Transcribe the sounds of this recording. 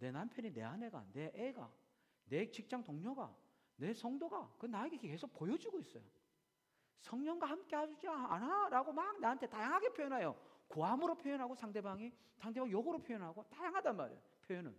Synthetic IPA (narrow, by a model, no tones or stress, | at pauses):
ne̞nampʰjʌnine̞̰ane̞ɡa̰ne̞ʔeɡa̰ | net͡ɕik̚t͡ɕ͈aŋtoŋɲʌɡa̰ | ne̞sʰʌŋdoɡa̰kɯnaeɡekeke̞sʰok̚pojʌd͡ʑiɡois͈ʌ̰jo | sʰʌŋɲʌŋɡwahamk͈e̞had͡ʑud͡ʑianaɾaɡomakneɦantʰe̞tajaŋɦaɡepʰjojʌnajokoamɯɾopʰjojʌnɦaɡosʰaŋde̞baŋi | sʰaŋde̞baŋjoɡʌɾopʰjojʌnɦaɡotajaŋɦadanma̰ɾḛ | pʰjojʌnɯ̰n